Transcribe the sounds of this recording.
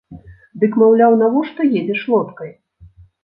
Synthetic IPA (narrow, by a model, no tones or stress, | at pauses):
d̪ɨkmawlʲawnavɔʂt̪ɔjɛd͡zʲɛʂlˠɔt̪kɐj